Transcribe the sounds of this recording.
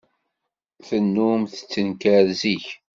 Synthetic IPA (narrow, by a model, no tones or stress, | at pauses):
θənːumθə̥t͡sːənkæɾziç